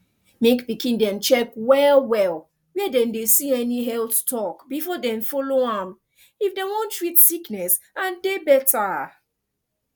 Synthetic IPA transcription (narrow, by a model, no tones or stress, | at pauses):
mekbikĩndɛ̃mt͡ʃɛkwɛlwɛl | wɛdɛ̃ndesiɛniɦɛlˠθtʰɔkbifɔdɛ̃ɱfɔloãm | ifdewõntɹitsiknɛs | ãndebɛtʰa